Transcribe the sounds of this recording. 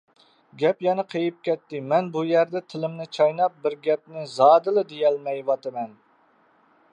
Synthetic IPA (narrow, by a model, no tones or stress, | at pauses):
ɡʲɛpjɛnɛqʰejip̚kʲɛt̪ːɪmɛnbujæɾd̪ɛt̪ʰɪlɪmnɪt͡ʃʰɑjnɑp̚bɪɾɡʲɛp̚nɪzɑːd̪ɨlˠɨd̪ejɛlmɛjwɑt̪ʰɨmɛn